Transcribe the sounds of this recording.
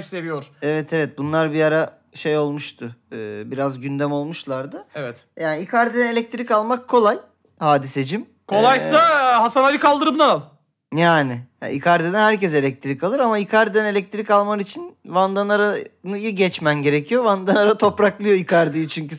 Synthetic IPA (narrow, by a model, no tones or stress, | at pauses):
pse̞vijoɾ̥evɛt̪ʰevɛt̪̚bunlˠaɾbiaɾa | ʃejo̞lˠmuʃt̪ʰʊɯːbiɾazɟynd̪ɛmo̞lˠmuʃlˠaɾd̪ɯevɛt̪jaːniikʰaɾd̪ine̞lʲɛc̚t̪ʰiɾikalˠmakʰːo̞lˠaj | haːd̪ise̞d͡ʒim | kʰo̞lˠajsaɦasanalikʰalˠd̪ɯɾɯmd̪analˠ | jaːnɪ̰ikʰaɾd̪id̪ɛnhæɾcɛs̬e̞lʲɛc̚t̪ʰiɾikalˠɯɾamaikʰaɾd̪id̪ɛne̞lʲɛc̚t̪ʰɾikalˠmaɾit͡ʃʰinvand̪anaɾanɯjiɟɛt͡ʃmænɟe̞ɾecʰijovand̪anaɾat̪ʰo̞pɾaklˠɯjo̞ikʰaɾd̪ijit͡ʃʰyɲcy